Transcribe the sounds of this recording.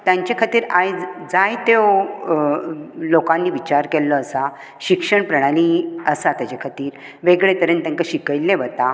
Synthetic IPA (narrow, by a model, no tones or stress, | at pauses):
t̪jãɲt͡ɕekʰat̪iːɾajd͡zajt̪ew | lokãnːiːʋit͡ɕaɾkɛlːɔəsa | ɕikʂəɳpɾəɽ̃aliəsat̪jat͡ɕakʰat̪iːɾ | ʋeɡɭet̪əɾənt̪ə̃ŋkəɕikəjlːẽʋət̪a